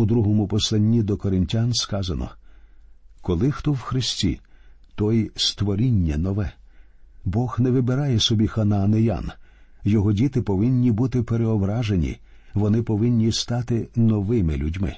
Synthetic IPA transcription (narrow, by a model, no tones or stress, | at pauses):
ud̪ɾuɦɔmʊpɔslˠɐnʲːid̪ɔkɔɾɪnʲtʲanskɑzɐnɔ̰ | kɔlˠɪxt̪ɔwxɾɪsʲtʲḭt̪ɔjst̪ʋɔɾʲinʲːɐnɔʋɛ | bɔxnɛʋɪbeɾɑjɛsɔbʲixɐnɐːnejɑ̰n | jɔɦɔdʲit̪ɪpɔʋɪnʲːibut̪ɪpeɾeɔbɾɑʒenʲḭ | ʋɔnɪpɔʋɪnʲːist̪ɑt̪ɪnɔʋɪmɪlʲudʲmɪ̰